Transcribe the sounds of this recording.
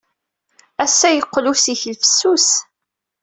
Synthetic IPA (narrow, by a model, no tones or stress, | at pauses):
æsːæjəqːlusiçlfə̥sːus